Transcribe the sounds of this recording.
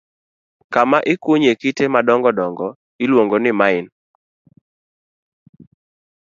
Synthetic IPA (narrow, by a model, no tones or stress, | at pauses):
kamaʔɪkuɲekitemadɔŋɡɔdɔŋɡɔ | ɪlwoŋɡonɪmaɪn